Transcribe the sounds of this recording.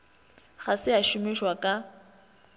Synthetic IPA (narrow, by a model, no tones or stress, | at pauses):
ɣasɪaʃʊmɪʃwakʼa